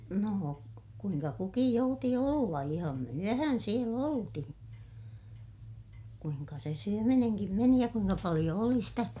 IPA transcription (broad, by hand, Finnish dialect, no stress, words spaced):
noː kuiŋkɑ kukij jouti olːɑ ihɑm myøhæn siel oltihĩː kuiŋkɑ se syømineŋkim meni jɑ kuiŋkɑ pɑlij̆o oli stæ